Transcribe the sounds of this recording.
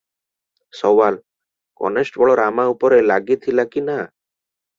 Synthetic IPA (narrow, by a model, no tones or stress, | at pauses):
sɔwal | kɔ̰nesʈbɔɭɔɾamaupɔɾelaɡit̪ʰilakina